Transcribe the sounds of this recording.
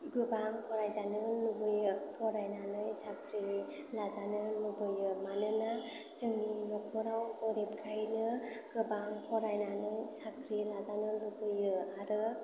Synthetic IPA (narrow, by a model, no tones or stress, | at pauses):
ɡɯbaŋpʰɔɾajzanɯlubɯjɯpʰɔɾajnanɯjsakʰɾilazanɯnubɯjɯmanɯnat͡ʃɯminɔkʰɔɾawbɔɾep̚kʰajnɯɡ̥ɯbampʰɔɾajnanɯjsakʰɾilazanɯlubɯjɯaɾɯ